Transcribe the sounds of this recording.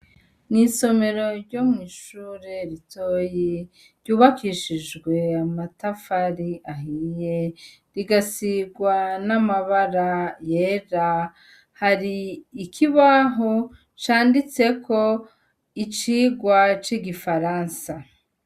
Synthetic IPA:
niso̞me̞ɾo̞ɾɟo̞mŋiːʃuːɾeɾitʰo̞ji | ɾɟuːβakiʃiʒɡwe̞amatafaɾiʔaɦije | ɾiɡasiɡwanamaβaɾaje̞ːɾa | haɾiːkʰiβaɦo | t͡ʃaːndit͡se̞kʰo̞ | it͡ʃiːɡwat͡ʃiɡifaɾaːnsa

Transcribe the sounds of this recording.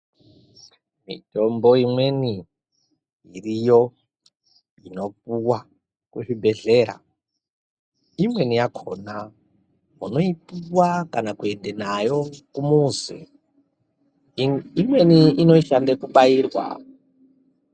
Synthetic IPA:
mḭto̞mbo̞imweni | irijo | ino̞p̚uwa | kuʐibʱe̞ɮe̞ːɾa̰ | imwe̞nijakʰona | muno̞ipuwakanakue̞ndenajo̞kumuːzḛ | imweniino̞iʃandekuɓaiːrwa̰

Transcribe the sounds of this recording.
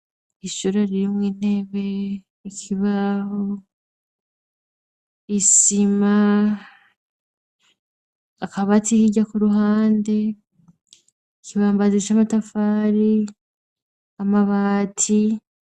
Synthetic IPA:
iʃuɾaɾiɾimŋiːne̞ːβe̞ | ikʰiβaho | isima | kaβatihiɟakuɾuɦaːnde̞ | ikiβaːmbazet͡ʃamatafaːɾi | amaβaːtʰi

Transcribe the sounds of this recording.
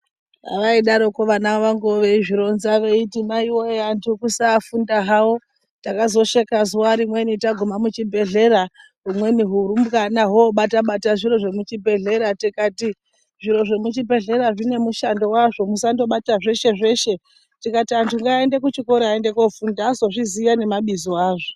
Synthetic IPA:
ɦa̰ʋaiɗaɾo̞koʋanaʋaŋɡoʋe̞iʐiɾo̞nzaʋeitimaiwojeantʰukusaːfundaɦawo | takazo̞ʃekazuwaɾimwe̞nitaɡʱomamut͡ʃibʱe̞ɮe̞ɾa | ɦumwe̞niɦuɾumkanaɦoɓataɓataʐiɾo̞ʐe̞mut͡ʃibʱe̞ɮe̞ɾatikati | ʐiɾo̞ʐe̞mut͡ʃibʱe̞ɮe̞ɾaʐine̞muʃando̞waʐo̞musando̞ɓataʐe̞ʃe̞ʐe̞ʃe̞ | tikatiantʰuŋɡaːende̞kut͡ʃiko̞ɾeaende̞kofundaːzo̞ʐizijane̞maɓizoaːʐo

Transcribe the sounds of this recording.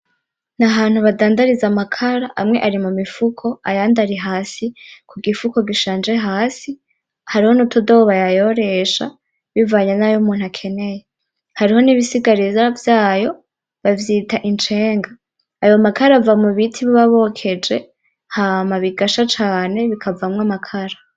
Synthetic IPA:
naɦaːn̥huβadaːndaɾizamakʰaɾaʔamŋeʔaɾimumifukʰo̞ajaːndaɾiɦaːsikʰuɡifuko̞ɡiʃaːnd͡ʒe̞ɦaːsi | haɾiho̞nutudo̞βajajo̞ɾe̞ʃa̰ | βivaːɲanajomuːn̥hakʰe̞ne̞je | haɾiho̞niβisiɡaɾizavjaːjo̞ | βavjiːtaʔint͡ʃe̞ːŋɡaː | jo̞makaɾaavamuβitʰiβiβaβo̞kʰe̞d͡ʒe̞ | haːmaβiɡaʃat͡ʃaːne̞βikʰavamŋamakʰaɾa

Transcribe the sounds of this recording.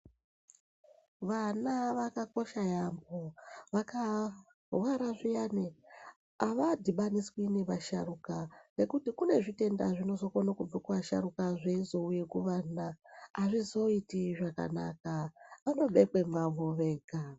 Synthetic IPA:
ʋanaʋakako̞ʃajamboʋaka | waɾaʐijane | aʋadʱiɓaniswineʋaʃa̰ɾukane̞kutikune̞ʐite̞nda̰ʐino̞zo̞konakub͡vakuʋaʃa̰ɾukaʐeizo̞uje̞kuʋanaːʐizo̞itiʐaka̰na̰kaʋano̞ɓekwe̞mwaʋoʋeːɡʱa

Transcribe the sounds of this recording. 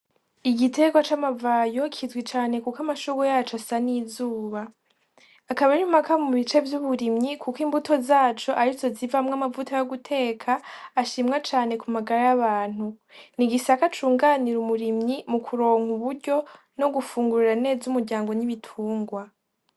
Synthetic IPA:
iɡitʰe̞ɡwat͡ʃamavaːjo̞kʰizɡwit͡ʃaːne̞kukamaʃuɡojaːt͡ʃoasaniːzuːβaː | kaβaɾiumakamuβit͡ʃe̞vjuβuɾimɲikʰukiːmbutʰo̞zaːt͡ʃo̞ʔaɾizo̞zivamŋamavutʰajoɡutʰe̞ːkʰaːʃiːmŋat͡ʃaːne̞kumaɡaɾajaβaːn̥u | niɡisakat͡ʃuːŋɡaːniɾumuɾimɲimukʰuɾo̞ːŋhuβuɾɟo̞ | no̞ɡufuːŋɡuɾiɾane̞ːzumuɾɟaːŋɡo̞niβitʰuːŋɡwa

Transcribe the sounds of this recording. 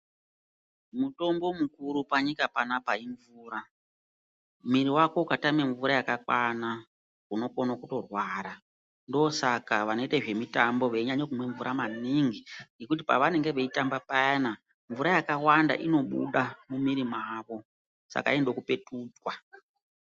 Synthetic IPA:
muto̞mbo̞mukuɾupaɲikapanapaiɱvuːɾa | miɾiwako̞ukatame̞ɱvuɾajakakwana | uno̞konakuto̞rwaːɾa | ndoːsakaʋano̞itaʐe̞mitambo̞ʋe̞iɲaɲokumwe̞ɱvuɾʔamaniŋɡiŋɡe̞kut̬ipa̰ʋane̞ŋɡe̞ʋe̞itambapajana | ɱvuɾajakawanda̰ʔino̞ɓṵɗamumiɾimaːʋo̞ | sa̰ka̰endo̞kupe̞tuːtwa

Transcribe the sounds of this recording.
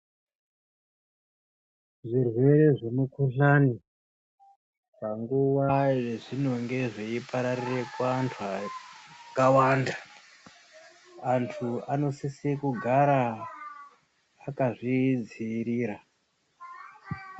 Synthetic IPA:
ʐirwe̞ɾe̞ʐemukuɬani | paŋɡuʋaʐeʐino̞ŋɡe̞ʐeipaɾarire̞kwantʰua | kawanda | antʰuano̞sisikuɡʱaɾa | kaʐid͡ziːɾiːɾa

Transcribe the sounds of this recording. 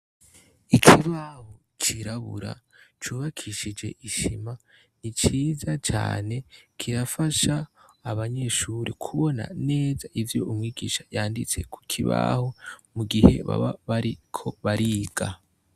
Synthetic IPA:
ikʰiβaho | t͡ʃʰiɾaβṵɾa̰ | t͡ʃuːβakʰiʃid͡ʒe̞̰ʔiʃḭma | nit͡ʃiːzat͡ʃa̰ːne̞kʰiɾafaʃaː | βaɲe̞ʃuːɾikʰuβo̞na̰ne̞ːzaʔivjo̞umŋiːɡiːʃajaːndit͡se̞̰kʰu̥kʰiβa̰homuɡihe̞̰βa̰βaβaɾikʰo̞βaɾiɡ̥a

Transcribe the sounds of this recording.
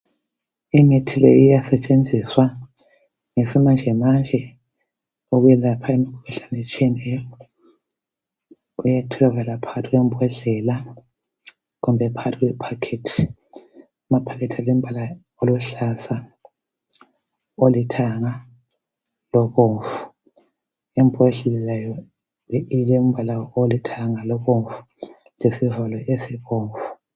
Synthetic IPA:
imitʰilḛjijasɛt͡ʃʼend͡zʱiswa | ŋesimand͡ʒʱɛmand͡ʒʱɛ | oɣujɛlapʰaimikʰuɣuɬanɛt͡ʃʼiɛnɛjɔ | ujatʰɔlaɣalapʰaatʰiɣwɔmbʱɔɮɛla | ɣumbʱɛpʰaɣatʰiɣwɛpʰakʰetʰi̥ | umapʰakʰetʰalɛm̩bʱala | oluɬasa | olitʰaŋa | lɔβoɱfu̥ | ɛmbʱɛɮɛlɛlajɔ | ilem̩bʱalaolitʰaŋalɔβoɱfu̥ | lesivalɔʔesiβoːɱfu̥

